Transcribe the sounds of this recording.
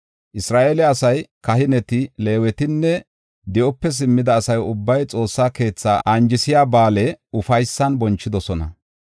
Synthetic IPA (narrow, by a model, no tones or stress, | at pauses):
ʔɪsɾaːʔeːlɛɐsɐjkɐhɪnɛt̪ɪle̞ːwɛt̪ɪnːɛ | d̪ɛʔɔpːɛs̬ɪmːɪd̪ɐːsɐjʊbːɐjt͡sʼo̞ːsːaːke̞ːt͡sːaːʔɐnd͡ʒɪsɪjaːbaːlɛʊfɐjsːɐnbɔnt͡ʃːɪd̪ɔsɔnɐ̰